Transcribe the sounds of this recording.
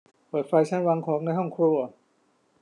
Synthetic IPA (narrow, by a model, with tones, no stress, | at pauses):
pɤː˨˩t̪̚fa˧jt͡ɕʰa˥˩nwa˧ŋkʰɔː˩˦˥ŋnaː˧jɦɔ˥˩ŋkʰɾu˧˩ɐ˨